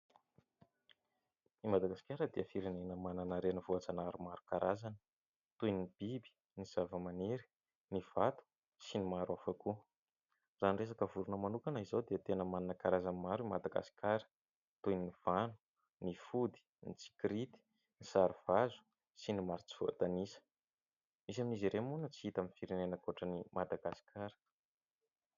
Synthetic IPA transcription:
imad̪aɡasi̥kʲaɾəd̪eəfiɾenenəmananaɾenəvoat͡sanaɾumaɾukaɾʔazanə̥ | t̪ujnib̥ibi̥ | niz̥avəmaniɾi̥ | niv̥at̪u̥ | sinimaɾuafaku | zanres̬akəvuɾunəmanukanəizowd̪eət̪enəmaninəkaɾazanmaɾuimad̪aɡa̰si̥kʲaɾə̥ | t̪ujnniv̥anu̥ | nifud̪i̥ | nit͡si̥kɾit̪i̥ | nisaɾiv̥azu̥ | sinimaɾit͡si̥voa̰t̪anisə̥ | mis̬aminiziɾemunət͡siit̪aminfiɾenenəkoʈ͡ʂənimad̪aɡasi̥kʰaɾə̥

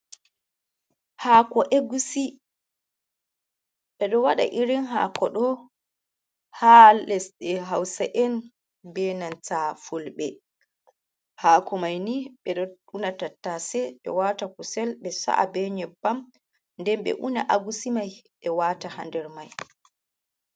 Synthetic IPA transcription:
hakɔʔeɡusi | ɓɛɗɔwaɗa̰ʔiɾinɦa̰ːkɔɗɔ | halɛsɗɛɦawsaʔɛn | bɛnantafulɓɛ | haːkɔmajniɓɛɗɔunatatːasɛɓɛ̰watakusɛlɓɛsa̰ʔa̰bɛɲɛbam | ndɛmɓɛ̰ʔunaʔaɡusimajɓɛwatahandɛɾmaj

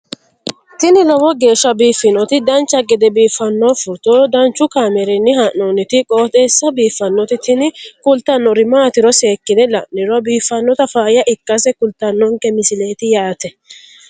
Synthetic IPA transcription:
t̪ɪnɪlɔwɔɡe̞ːʃːɐbiːfːɪnɔt̪ɪd̪ɐnt͡ʃːɐɡɛd̪ɛbiːfːɐnːɔfʊt̪ɔd̪ɐnt͡ʃːʊkaːmɛɾɛnːɪhɐnːoːnɪt̪ɪkʼoːt̪ʼeːsːɐbiːfːɐnːɔt̪ɪt̪ʰɪnɪkʊlt̪ɐnːɔɾɪmaːt̪ɪɾɔse̞ːkːɪd̪ɛlɐ̰nːɪɾɔbiːfːɐnːɔt̪ɐfaːjɐʔɪkːɐsɛkʊlt̪ɐnːɔŋkɛmɪsɪle̞ːt̪ɪjaːt̪ɛ

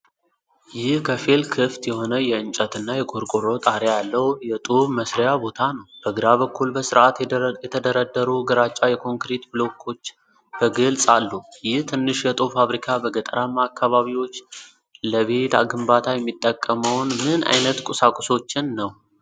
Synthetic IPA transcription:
jɪhkʰəfelkʰɨft̪jɛho̞nəjɛɨnt͡ʃʼət̪ɨnːajɛkʰoɾkʼoɾo̞t̪ʼaɾjajalːəwjɛt̪ʼuβməsɾjabo̞t̪ʰanəwb̥əɡɨɾaβəkːulbəsɨɾʔat̪jɛt̪ʰəd̪əɾəd̪ːəɾuɡəɾat͡ʃʼːajɛkʰo̞ŋkɾet̪blo̞kʰːo̞t͡ʃː | b̥əɡəlsʼalːujɪht̪ʰɨnːɨʃjɛt̪ʼufaβɾikʰabəɡət̪ʼəɾamːakʰːaβaβiwo̞t͡ʃː | ləβe̞t̪a̰ɡɨmbat̪ʰajɛmːit̪ʼːəkʼːəməwnmɨnʔa̰jnət̪kʼʊsakʼʊso̞t͡ʃːɪnːəw

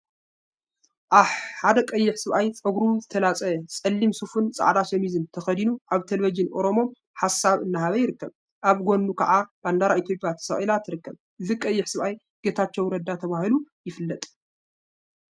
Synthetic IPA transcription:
ʔaβħad̪ɐkʼɐjːɪħsɨβʔajt͡sʼɐɡɾuzɨt̪ʰɐlat͡sʼɐsʼɐlːimsufunt͡sʼa̰ʕd̪aʃɐmizɨnt̪ʰɐxɐd̪inuʔaβt̪ʰelvid͡ʒɨnʔo̞ɾo̞mo̞m | ħasaβɨnːaɦaβɐjɪɾɨkːɐβ | ʔaβɡo̞nːukʰɐ̰ʕaband̪aɾaʔit̪ʰjo̞pʼjat̪ʰɐ̥sɐχʼilat̪ʰɨɾɨkːɐβ | ʔɨzikʼɐjːɪħsɨβʔaj | ɡ̥e̞t̪ʰat͡ʃːɛwɾɐd̪ːat̪ʰɐβahilujɪfɨlːɐt̪ʼ

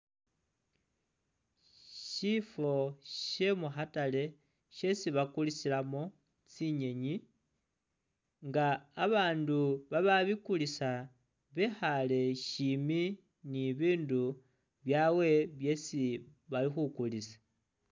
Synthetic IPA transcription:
ʃifo̞ʃe̞muxatale̞ | ʃe̞siβakulisilamo̞ | t͡siɲe̞ɲi | ŋɡaːβaːnduβaβaβikulisa | βexale̞ʃimi | niβiːndu | βjawe̞βje̞siβalixukulisḁ

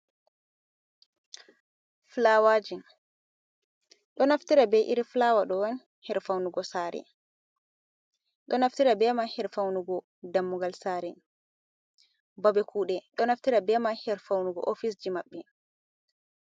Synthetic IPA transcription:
flawaːd͡ʒin | ɗɔnaftiɾabɛʔḭɾiflawaɗɔwan | hɛɾfawnuɡɔsaːɾɛ̰ | ɗɔnaftiɾabɛmahɛɾfawnuɡɔ | damːuɡalsaːɾɛ | babɛkʰuːɗɛɗɔnaftiɾabɛmahɛɾfawnuɡɔ̰ʔofisd͡ʒimaɓːɛ

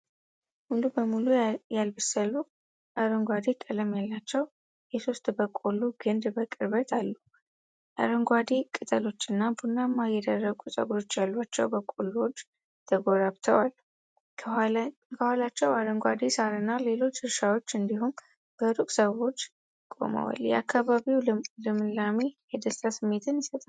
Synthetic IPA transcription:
hundubəmulujalbɨsəlːu | ʔəɾəŋɡʷad̪ekʼələmjalːat͡ʃːɛw | jɛso̞st̪ʼbəkʼolːuɡɨnd̪bəkʼɨɾbət̪ʰalːu | ʔə̰ɾəŋɡʷad̪ekʼɨt̪ʼəlo̞t͡ʃːɨnːabunːamːajɛd̪ərːəɡusʼə̰ɡo̞t͡ʃːjalːuat͡ʃːɛwbəkʼolːuot͡ʃː | t̪ʰəɡo̞ɾaβt̪ʰəwalʰ | kʰəhalat͡ʃːɛwaɾəŋɡʷad̪esaɾɨnːale̞lo̞t͡ʃːhɨɾʃawo̞t͡ʃːɨnd̪iɦum | b̥əɾukʼsəwo̞t͡ʃː | kʼo̞̰mə̰wa̰ljɛ̰akːaβaβiwlɨmɨlːamejɛd̪əsasɨmːe̞t̪ʰɨnjɪsət̪ʼ

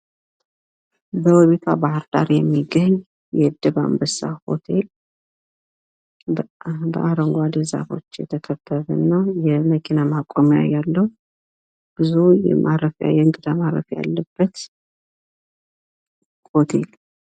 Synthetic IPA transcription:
bəwɔβet̪ʰabahəɾd̪̥a̰ɾjɛmːiɡəɲː | jɛd̪ɨβa̰mbəsa̰ho̞̰t̪ʰel | bə̰ʔaɾəŋɡʷad̪əza̰fo̞t͡ʃːjɛ̰t̪ʰəkʰət̪ːəβə̰nːəwjɛməkʰinamakʼomja̰jalːəw | b̥ɨzujɛ̰mʔaɾəfa̰jɛɨŋɡɨd̪amaɾə̰fja̰lːəbːət̪ | hot̪ʰe̞l

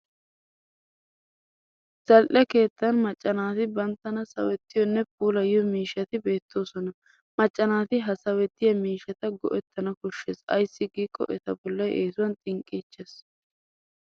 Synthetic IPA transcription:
z̥ɐlʔɛke̞ːt̪ːɐnmɐt͡ʃʼːɐnaːt̪ɪbɐnt̪ːɐnɐsɐ̰wɛt̪ːɪjɔnːɛp̚uːlɐjɔmiːʃɐt̪ɪbe̞ːt̪ːo̞ːsɔnɐ | mɐt͡ʃʼːɐnaːt̪ɪɦɐsɐwɛt̪ːɪjɐmiːʃɐt̪ɐɡɔ̰ʔɛt̪ːɐnɐkɔʃːeːsɐ̰jsːɪɡiːkʼːɔ̰ʔɛt̪ɐbɔlːɐjʔeːsʊwɐnt̪ʼɪŋkʼːiːt͡ʃːeːs

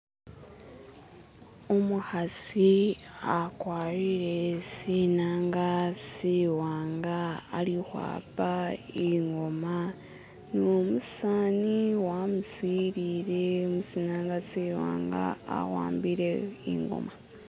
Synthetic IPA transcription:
omuhaziakwaːɾiɾe̞sinaːŋɡasiwaːŋɡaːɾihwa̰ːpaiŋɡo̞ma | nomusaːniwamusiɾiːɾe̞omusiːnaːŋɡasiwa̰ːŋɡa̰a̰wa̰ːmbiɾeḭŋɡo̰ma

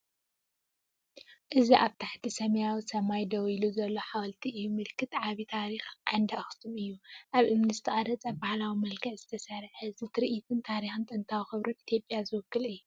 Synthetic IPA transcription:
ʔɨziʔaβt̪ʰaħt̪ʰisɐmɐjawisɐmajd̪ɐwiluzɐlːo̞ħawɐlt̪ʰiʔɨjumɨlkʰːɨt̪ʕaβit̪ʰaɾixʕa̰nd̪axsʰumɨjːuʔaβʔɨmnɨst̪ʰiχʼad̪ɐt͡sʼɐbahlawimɐlkʰɐʕzɨt̪ʰɐsɐɾħzɨt̪ʰɨɾʔit̪ʰɨnt̪ʰaɾixɨnt̪ʼɨnt̪ʰawxɨβɾunit̪ʰjo̞pʼːjazɨwɨkʰːɨlɨjːu

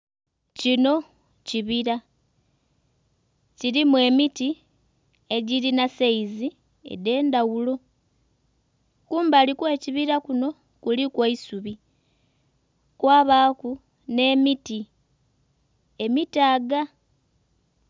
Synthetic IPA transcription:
cino̞ | ciβiɾa | ciɾimwe̞ːmiti | e̞ɟiɾinaseizi | ḛde̞ːndawulo̞ | kuːmbalikwe̞ːciβiɾakuno̞ | kulikwaisuβi | kwaːβaːku | ne̞ːmiti | e̞mitaːɡa

